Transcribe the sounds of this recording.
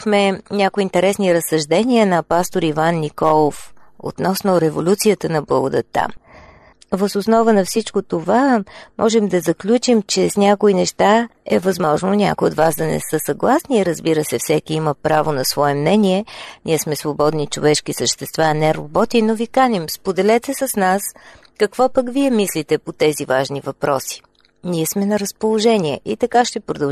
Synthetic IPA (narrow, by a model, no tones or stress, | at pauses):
xmɛnʲakʊint̪ɛɾɛsniɾəsːɐʒd̪ɛniənɐpast̪oɾivanːikɔlˠofo̰t̪nɔsnʊɾɛvolʲut̪sijət̪ənɐblˠəɡʊd̪ə̰t̪ːa̰m | vəzʊsnɔvənɐfsit͡ʃkot̪ovamʔɔʒɛmd̪ɐzɐklʲut͡ʃimt͡ʃɛsnʲakoinɛʃt̪aɛvɐzmɔʒnonʲa̰kojot̪vasd̪ɐnɛ̰sɤsɐɡlˠasniɾəzbiɾəsɛfsɛkiiməpɾavonɐsvɔɛmnɛniɛniɛsmɛsvobɔd̪nit͡ʃovɛʃkisəʃt̪ɛst̪vaːnɛɾobɔt̪inovikanimspod̪ɛlɛt̪ɛsəsnas | kɐkvɔpəkviɛmislit̪ɛpot̪ɛzivaʒnivɐpɾɔsi̥ | niɛsmɛnɐɾəspolˠoʒɛniɛʔit̪ɐkaʃt̪ɛpɾʊd̪ɐ